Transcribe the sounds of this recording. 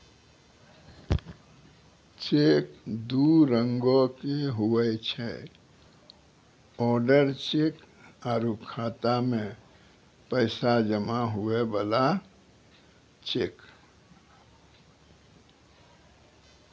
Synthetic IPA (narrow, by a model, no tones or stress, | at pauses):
t͡ʃekd̪uɾəŋɡokeɦuɛt͡ʃʰɛ̰ | ɔɾɖəɾt͡ʃek | aːɾukʰat̪amẽ | pəɪsad͡ʒəmaɦuebala | t͡ʃek